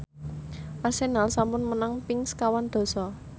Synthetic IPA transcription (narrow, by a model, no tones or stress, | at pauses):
ʔasenalsampʊnmənaŋpɪŋskawand̪̥o̤sɔ